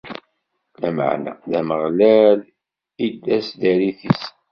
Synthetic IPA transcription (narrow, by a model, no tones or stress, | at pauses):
læmə̰ʕnæ̰ðæməʁlæl | id̪ːæsðæɾiθis